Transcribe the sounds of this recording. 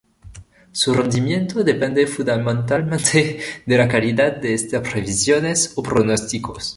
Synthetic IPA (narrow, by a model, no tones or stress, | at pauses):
surend̪imjent̪oðepend̪efũnd̪amẽnt̪almẽnt̪ʰed̪elakaliðat̪̚d̪eest̪apɾeβisjonesopɾonost̪ikos